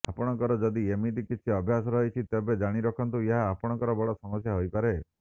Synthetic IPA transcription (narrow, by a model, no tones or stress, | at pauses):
a̰pɔɽ̃ɔŋkɔɾɔd͡ʒɔd̪iemit̪ikit͡ʃʰiɔbʱjasɔɾɔɦit͡ʃʰit̪ebed͡ʒaɽ̃iɾɔkʰɔnt̪ueɦaːpɔɽ̃ɔŋkɔɾɔbɔɽɔsɔmɔsjaɦojpaɾe